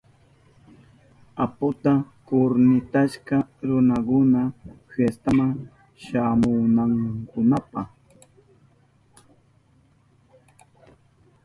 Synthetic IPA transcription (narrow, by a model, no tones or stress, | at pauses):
apʊt̪akʊɾnɪt̪aʃkɑɾʊnakʊna | hest̪amaŋ | ʃamʊnaŋkʊnapɑχ